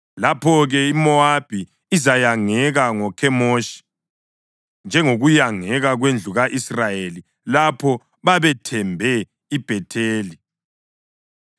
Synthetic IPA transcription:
lapʰɔɣɛimɔab̥ʱi | izajaŋɛɣaŋɔkʰɛmoʃi̥ | nd͡ʒʱɛŋoɣujaŋɛɣaɣwend͡ɮʱuɣaʔisrajeli | lapʰɔ | βaβɛtʰɛmbʱɛ | ib̥ʱɛtʰeːli

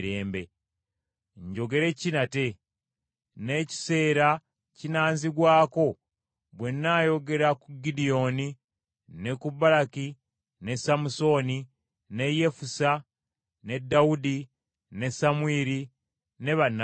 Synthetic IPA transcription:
ɾe̞ːmbe | ɲɟo̞ɡe̞ɾe̞cinate̞ | ne̞ci̥se̞ːɾa | cinaːnziɡwaːko̞ | βwe̞nːaːjo̞ɡe̞ɾakuɡidijo̞ni | ne̞kubalaki | ne̞samuso̞ːni | ne̞je̞fusa | ne̞dːaudi | ne̞samwiːɾi | ne̞βanːa

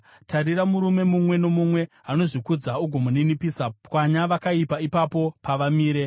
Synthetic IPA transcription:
tʰaɾiɾamuɾume̞mumwe̞no̞mumwe̞ | ano̞ʐikud͡zauɡʱomuninipisakwaɲaʋakaipaipapo̞paʋamiːɾe̞

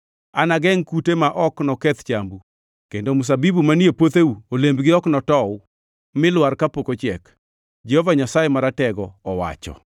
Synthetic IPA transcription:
anaɡɛŋkutemaʔɔknɔkɛt̪t͡ʃambu | kendomus̬abibumaniepot̪euolembɡɪɔknɔtɔ | mɪlwarkapokot͡ʃɛk | d͡ʒɛhɔvaɲasajemaɾatɛɡɔɔwa̰t͡ʃɔ̰

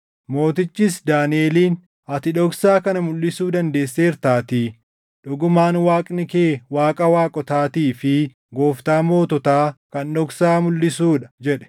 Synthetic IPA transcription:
mo̞ːt̪ɪt͡ʃːisd̪aːneːliːn | ɐt̪ɪᶑɔksaːkɐnɐmʊlːɪsuːd̪ɐnd̪e̞ːsːe̞ːɾt̪aːt̪i | ᶑʊɡʊmaːnwaːkʼnɪkeːwaːkʼɐwaːkʼɔt̪aːt̪iːfɪ | ɡo̞ːft̪aːmo̞ːt̪ɔt̪aːkɐnɗɔksaːmʊlːɪsuːᶑɐd͡ʒɛᶑɛ̥

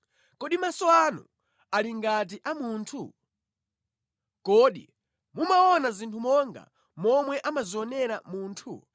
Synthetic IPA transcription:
kɔɗimasɔanṵ | aliŋɡat̬iʔamuːntʰu | kɔɗḭ | mumaɔnazintʰumɔŋɡa̰ | mɔmwɛʔamaziɔnɛɾamuːntʰṵ

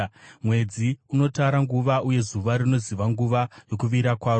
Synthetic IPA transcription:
mwe̞d͡ziuno̞taɾaŋɡuʋauje̞zuʋaɾino̞ziʋaŋɡuʋajo̞kuʋiɾakwaːro

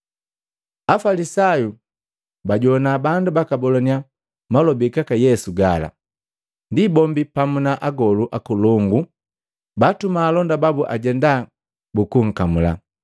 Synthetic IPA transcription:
afalisaju | baɟɔnabandubakabɔlɔnia | malɔbikakajɛsuɡala̰ | ndibɔmbipamunaʔaɡɔluʔakulɔŋɡu | batumaːlɔndababuʔa̰ɟɛnda | bukuŋ̩kamula̰

